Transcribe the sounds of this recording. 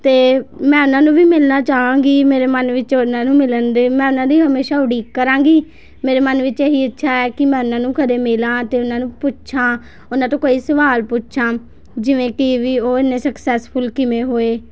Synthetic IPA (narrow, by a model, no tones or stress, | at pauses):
t̪eːmɛ̃ːʊnãːnũːʋiːmɪlnaːt͡ʃaːʋãːŋɡiːmeːɾeːmənʋɪt͡ʃnãːnũːmɪlənd̪eːmɛ̃ːʊnãːd̪iːɦəmeːʃaːʊɽiːkəɾãːŋ̆ɡiː | meːɾeːmənʋɪt͡ʃeːɦiːətːʃʰaːɛːkɪmɛ̃ːʊnãːnũːkʰəd̪eːmɪlãːt̪eːʊnãːnũːpʊtːʃʰãː | ʊnãːt̪õːkoːiːsəʋaːlpʊtʃʰãː | d͡ʒɪʋẽːkɪʋiːoːɪnːẽːsəksɛːspʰʊlkɪmẽːɦoːeː